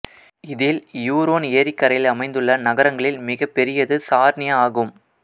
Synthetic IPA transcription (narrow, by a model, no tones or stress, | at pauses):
ɪðɪljuːɾoːnɪjɐɾɪkːɐɾɐjɪlɐmɐɪnd̪ɯɭːɐnɐɣɐɾɐŋɡɐɭɪlmɪɣɐpːɛɾɪjɐðɯsaːɾnɪjɐaːɣɯm